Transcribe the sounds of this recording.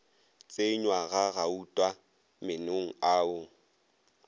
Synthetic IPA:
t͡sʼeɲwaɣaɣautʼwa | mɪnoŋ̩aːʊ

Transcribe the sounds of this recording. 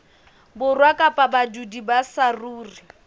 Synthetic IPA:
bʊrwakʼapʼabadudibasaruːri

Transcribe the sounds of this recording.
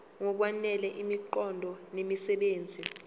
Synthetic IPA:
ŋɔk̬wanɛlɛʔimiǃɔndʱɔnemisɛɓeːnd͡zʱi

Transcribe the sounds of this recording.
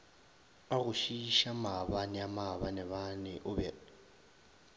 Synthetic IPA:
aɣʊʃiʃamaβanɛamaβanɛβanɛʔʊbɛ

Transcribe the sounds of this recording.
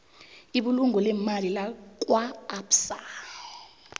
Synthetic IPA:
iɓuluŋʱɔlɛmalilak̬ʼwaːpsa

